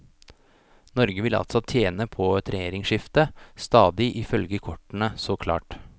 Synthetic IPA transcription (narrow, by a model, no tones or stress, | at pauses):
nɔɾɡəʋɪlɑ̰lt̪sɔt̪ʰjeːnəpʰɔt̪ʰɾɛeːɾɪŋʂɪft̪əst̪ɑːd̪ɪʔɪfœlɡəkʰɔʈːənəsɔːkʰlɑ̰ːʈ